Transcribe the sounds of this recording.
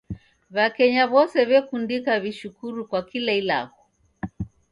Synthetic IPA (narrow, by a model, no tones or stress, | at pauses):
βakɛɲaβɔsɛβɛkundikaβiʃukuɾukwakilaila̰ɣu